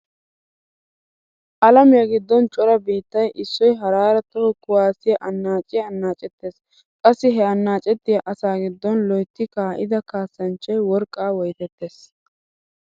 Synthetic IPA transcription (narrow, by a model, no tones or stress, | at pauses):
ʔɐlɐmɪjɐɡɪd̪ːɔnt͡ʃʼɔɾɐbiːt̪ːɐjʔɪsːɔjɦɐɾaːɾɐt̪ːɔhɔkʊwaːsɪjɐʔɐnːaːt͡ʃʼɪjɐːnːaːt͡ʃʼɛt̪ːeːs | kʼɐsːɪɦɛɐnːaːt͡ʃʼɛt̪ːɪjɐʔɐsaːɡɪd̪ːɔnlɔjt̪ːɪkaːʔɪ̰d̪ɐkaːsːɐnt͡ʃːɐjwɔɾkʼːaːwɔjt̪ɛt̪ːeːs